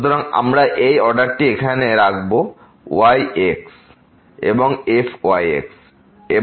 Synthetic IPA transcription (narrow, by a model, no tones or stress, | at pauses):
ut̪oɾaŋa̰mɾaʔejɔɖaɾʈiekʰaneɾakʰbo | wajeks | ḛboŋefʰwajḛks | e